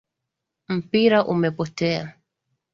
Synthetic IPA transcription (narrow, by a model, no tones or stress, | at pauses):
m̩piɾaʔumɛpɔtɛa̰